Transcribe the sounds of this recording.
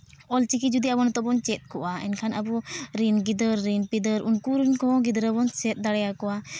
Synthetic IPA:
ɔlt͡ʃikid͡ʒud̪iabɔnt̪ɔbɔnt͡ʃɛt̪̚ˀkɔʔaɛ̰nkʰanabuɾinɡid̪əɾːinpid̪əɾʔunkuɾinkɔ̃ɡid̪əɾəbɔnsɛt̪̚ˀd̪aɽɛjakɔwa

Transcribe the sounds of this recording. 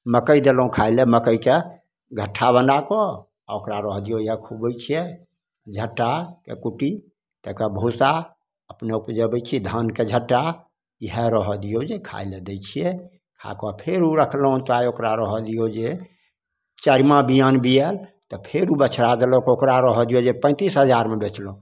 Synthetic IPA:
məkəjd̪elɦũkʰaileməkəjke | ɡʱəʈʰːabənɖakɔ | a̰okɾaɾəɦɔd̪ijojɦɛkʰubəjt͡ʃʰije | d͡ʒʱəʈːakḛkuʈi | t̪əkəbʱosa | əpneupd͡ʒəbəjt͡ʃʰiɛd̪ʱənked͡ʒʱəʈːa | ɦɛɾəɦɔd̪ijod͡ʒekʰa̰jled̪ɛjt͡ʃʰijɛ | kʰa̰kɔpʰeɾuɾəkʰlɦũt̪ajokɾaɾəɦɔd̪ijod͡ʒe | t͡ʃəɾimabijanbiɛlt̪ɔpʰeɾubət͡ʃʰɾad̪elokokɾaɾɔɦɔd̪ijod͡ʒepə̃t̪isɦəd͡ʒaɾmebet͡ʃlõ

